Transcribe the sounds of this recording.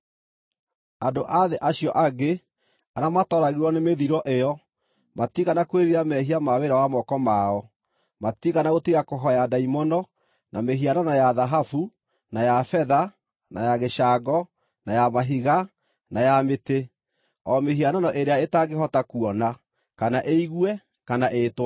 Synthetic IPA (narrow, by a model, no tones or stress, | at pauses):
andoʔaðeʔaɕjɔʔaɡe | aɾamatɔɾaɣiɾwɔnemeðiɾɔʔejɔ | matiɣanakweɾiɾamɛɦiamaweɾawamɔkɔmaɔ | matiɣanaɣotiɣakoɦɔjadaimɔnɔ | nameɦiananajaðaɦafu | najafɛða | najaɣeʃaɡɔ | najamaɦiɣa | najamete | ɔmeɦiananɔʔeɾeaetaɡeɦɔtakuɔna | kanaʔeiɣuwɛ | kanaʔeːtwa